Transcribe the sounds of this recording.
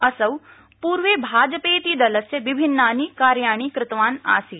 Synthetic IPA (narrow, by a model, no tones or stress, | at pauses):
ɐsɐʋ | puːɾʋeːbʱaːd͡ʒpeːt̪iːd̪ɐləsjəʋɪbʱɪnːaːnikaːɾjaːɽ̃iːkɾɪt̪ʋaːna̰ːsiː